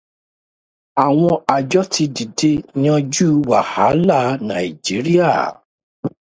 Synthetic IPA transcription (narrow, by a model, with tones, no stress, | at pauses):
a˨w̃ɔ̃˧a˨d͡ʒɔ˦ti˧di˨de˧ɲã˦d͡ʒu˦wa˨ha˨˦la˦˨˦nã˨i˨d͡ʒi˨˦ɾi˦a˦˨